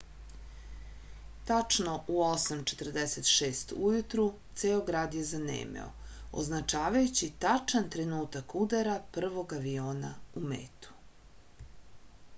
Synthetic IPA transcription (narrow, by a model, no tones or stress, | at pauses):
t̪at͡ʂno̞ʔuosamt͡ʃe̞̥t̪r̩d̪eset̪ʃeːst̪ujut̪ɾut̪seoɡɾaːd̪jezanḛːmḛo̞̰o̰znat͡ʃaːʋajut͡ɕit̪at͡ʃant̪ɾe̞nuːt̪akud̪aɾapr̩ʋo̞ɡaʋioːnaumḛːt̪u̥